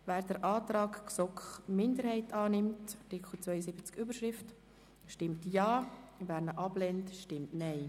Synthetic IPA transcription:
væːɾd̥əɾʔɑːtɾɑːkksɔkχmɪndəɾhɛɪtɑːnɪmtɑtɪkχl̩t͡sʋvœʏəsɪbət͡skybəɾʃɾɪft | ʃtɪmtjɑːvæːɾnəʔɑblɛntʃtɪmtnɛɪ

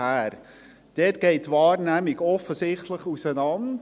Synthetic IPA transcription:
æːɾ | d̥ɛːtɡ̥ɛɪtːʋɑːrnæmiɡɔfəsɪχtləχusənɑn

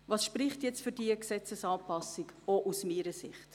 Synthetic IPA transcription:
vɑːsʃpɾɪχtjɛt͡stfyɾdiːəksɛt͡səsɑːpɑsikoʔusmiːɾəsɪχt

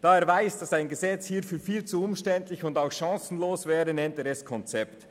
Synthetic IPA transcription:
d̥aːeːɐɾvaɪsd̥asaɪnɡəzɛt͡shiːɐfyːfiːlt͡suʊmʃtɛntlɪçʊndaʊxʃɑ̃ŋsn̩loːsvɛːɾənɛntɛːɾɛskʰɔnt͡sɛpt

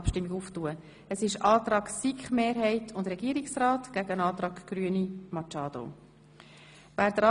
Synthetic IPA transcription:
pʃtɪmːiɡuftuə | əsɪʃɑːtrɑːɡ̥sikχmeːɾɦɛɪtʰʊndɾɛɡiːəɾiksrɑːtɡ̥æɡəənɑːt̪ɾɑːɡɡ̥ryənimɑt͡ʃɑːd̥o̰ | væːɾdɾɑ

